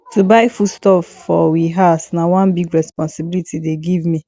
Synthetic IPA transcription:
tubaɪfutstɔfːɔwiɦasnawãnbiɡɹɛspɔ̃nsibilitʰideɡivmi

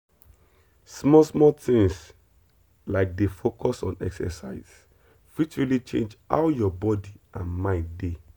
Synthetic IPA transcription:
smɔsmɔtĩŋs | laɪk̚defokʰɔsɔ̃nɛ̰ksɛ̰saɪz̥ | fit͡ʃɹilit͡ʃḛ̃nd͡ʒa̰ʊjɔbɔdiʔãnmãɪ̃nde

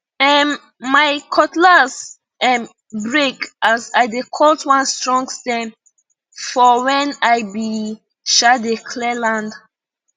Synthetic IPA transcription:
ɛn | maɪkʰɔtlaz | ɛ̃m | bɹekazaɪdekʰɔltwãnstɹɔ̃ŋɡstɛ̃m | fɔwɛ̃najbi | ʃadekʰlɛlãnd

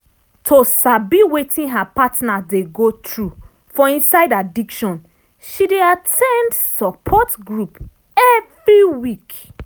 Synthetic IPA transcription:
tʰosabiwetʰĩnɦapatnadeɡotɹu | fɔĩnsaɪdadikʃɔ̃n | ʃideatʰɛ̃ndsɔpʰɔtɡɹup | ɛvɹiwik

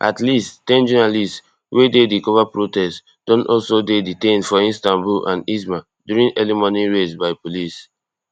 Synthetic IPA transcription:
ʔa̰tlisttɛ̃nd͡ʒɔnalists | wʔededikɔvapɹotɛst | d̥ɔ̃nɔlsodeditẽnfɔĩnstãnbulãnis̬mã | djuɹĩnɛlimɔniɹesbaɪpolis

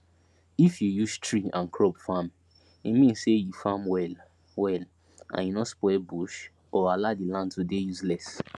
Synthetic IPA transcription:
ifjujustʰɹiãnkʰɹɔbfam | imĩnsejufamwɛl | wɛl | ʔã̰njunɔspwɛbuʃ | ɔaladilãndtudejuslɛs

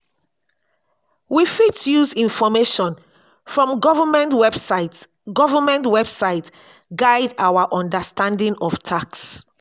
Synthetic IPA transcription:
wifitjuzĩnfɔmeʃɔ̃n | fɹɔ̃mɡɔvamɛ̃ntwɛbsat | ɡɔvamɛ̃ntwɛb̥saɪt | ɡaɪdawaʔɔ̃ndəstãndĩŋɔv̥tʰaks

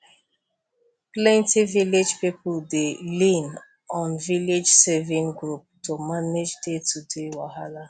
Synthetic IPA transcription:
plɛ̃ntiviled͡ʒpipldelĩn | ɔ̃nviled͡ʒsɛvĩŋɡɹup̚tomaned͡ʒdetʰudewahala

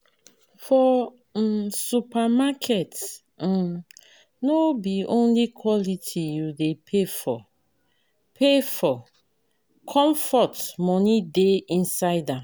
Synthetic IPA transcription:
fɔ | supamakʰɛt̩ | nobiõnlikʰwɔlitʰijudepʰefɔ̰ | pʰefɔ | kʰɔ̃mfɔtmɔnideĩnsaɪdãm

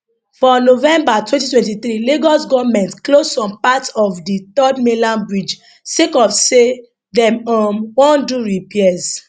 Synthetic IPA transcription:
fɔnovɛ̃mbatwɛ̃ntitwɛ̃nt̬iθɾiliɡɔsɡɔvmɛ̃ntklosɔ̃mpatɔfdit̪ɔdmelãnbɹid͡ʒ | sekɔfse | dɛ̃mɔmwɔ̃nduɹipiɛz

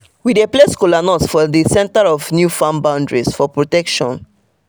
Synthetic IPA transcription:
widepleskɔlanɔsfɔdisɛ̃ntəɹɔvnjufãmbãʊ̃ndɹisfɔpɹɔtɛkʃɔ̰̃n

